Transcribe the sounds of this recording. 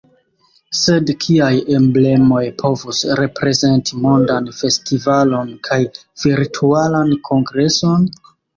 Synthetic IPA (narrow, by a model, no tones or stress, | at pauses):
se̞dkʰiaje̞mble̞mo̞jpʰo̞vusɾe̞pɾe̞ze̞ntʰimo̞ndanfe̞stivalo̞nkʰaj | v̥iɾtʰualankʰo̞ŋɡɾe̞so̞n